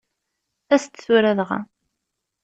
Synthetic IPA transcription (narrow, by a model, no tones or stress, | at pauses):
æst̪θuɾæðʁa̰